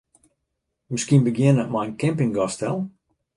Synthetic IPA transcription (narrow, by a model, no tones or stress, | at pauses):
məskiənbəɡjɪənəmajənkɛ̃mpɪŋɡɔstɛlˠ